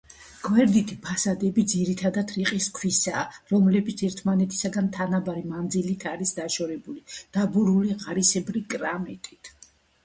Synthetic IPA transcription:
ɡ̥wɛɾd̪it̪ʰipʰasad̪ɛbid̪ziɾit̪ʰad̪at̪ʰɾiqʼiskʰwisaːɾɔmlɛbit̪sʰɛɾt̪ʰmanɛt̪ʰi̥saɡant̪ʰanabaɾimand̪zilit̪ʰaɾisd̪aʃɔɾɛbulid̪̥abuɾuliʁʼaɾisɛbɾikʼɾamɛt̪ʼit̪ʰ

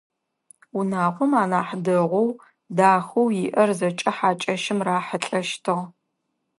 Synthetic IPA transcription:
unaːʁʷɔmaːnaːħdɨʁʷɔw | daːxɐwjɪʔɐrzɐt͡ʃʼɐħaːt͡ʃʼɐʃɪmraːħəɬʼɐʃtʰɨʁ

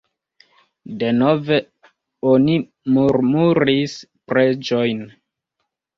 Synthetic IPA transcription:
de̞no̞ve̞ | o̞ni | muɾmuɾispɾe̞d͡ʒo̞jn

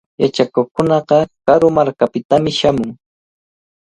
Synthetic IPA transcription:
jat͡ʃakoχkʊnɑqɑkaɾʊmaɾkapɪt̪amɪʃamʊŋ

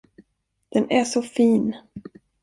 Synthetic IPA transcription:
d̪̥ɛnæʂɔfiːn

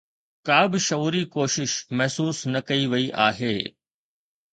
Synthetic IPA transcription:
kaːbɪʃɐuːɾikoːʃɪʃmɛɦsuːsnɐkɐiʋɐiʔaːɦeː

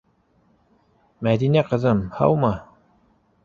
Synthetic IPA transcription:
mæd̪inæqɤ̆zɤmhɑ̰wmɑ

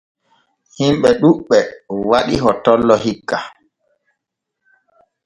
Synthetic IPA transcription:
himɓɛɗuɓːɛwaɗḭɦɔtɔlːɔɦikːa

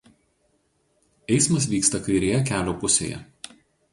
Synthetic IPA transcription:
ɛɪsmɐs̬ʋʲiːkst̪ɐkɐɪɾʲeːjɛkʲæːlʲoːpʊsʲḛːjɛ̰

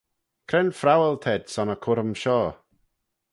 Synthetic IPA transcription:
kʰɾɛnfɾawəlˠt̪ʰɛdsɔnəkʰʊɾəmʃɔː

